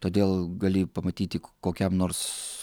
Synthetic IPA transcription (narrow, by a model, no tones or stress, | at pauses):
t̪oːd̪ʲeːlˠɡɐlʲɪpɐmɐt̪ʲiːt̪ʲɪkoːkʲɛmnoːrs